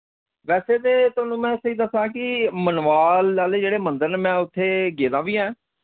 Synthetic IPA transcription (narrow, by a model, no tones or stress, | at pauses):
ʋɛːseːt̪eːt̪ʊːnũːmɛ̃ːsɦiːd̪əsãːkɪmənʋaːlːaːleːd͡ʒeːɽeːmə̃nd̪əɾnːmɛ̃ːʊt̪ʰːeːɡeːd̪ãːʋiːɛ̃ː